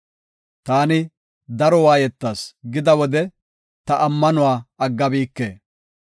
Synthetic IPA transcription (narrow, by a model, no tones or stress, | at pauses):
t̪aːnɪ | d̪ɐɾɔwaːjɛt̪ːaːsɡɪd̪ɐwɔd̪ɛ | t̪ɐʔɐmːɐnʊwaːɐɡːɐbiːkːḛː